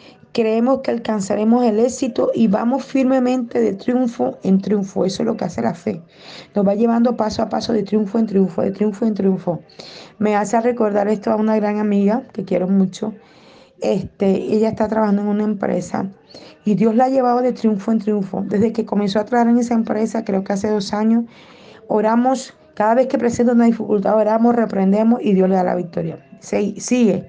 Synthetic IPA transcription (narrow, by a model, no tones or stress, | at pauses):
kɾe̞emo̞skealkansaɾe̞mo̞se̞le̞sit̪oʔiβamo̞sfiɾme̞mẽ̞nt̪e̞ðe̞t̪ɾjuɱfoe̞nt̪ɾjuɱfoe̞soelo̞ke̞ase̞lafe̞ | no̞zβaʝe̞β̞and̪opasoapaso̞ðe̞t̪ɾjuɱfoe̞nt̪ɾjuɱfo̰ðe̞̰t̪ɾjuɱfoent̪ɾjuɱfo̞measeare̞ko̞ɾðaɾe̞st̪oaunaɣɾaŋamiɣake̞kjeɾo̞mũt͡ʃo̞ | e̞st̪eeʝaest̪at̪ɾaβahand̪oe̞ŋunaẽ̞mpɾḛsa̰ | iðjo̞zlaaʝe̞β̞aβaðe̞t̪ɾjuɱfoent̪ɾjuɱfo̞̰d̪e̞zðe̞ke̞ko̞menso̞at̪ɾaβahaɾeŋes̬aempɾe̞sakɾe̞okease̞ðo̞saɲo̞s | oɾamo̞s | kaðaβe̞shke̞pɾese̞nt̪unaðifikult̪aoɾamosre̞pɾe̞nd̪e̞mosiðjo̞sle̞ðala̰βik̚t̪o̞ɾja̰sesiɣe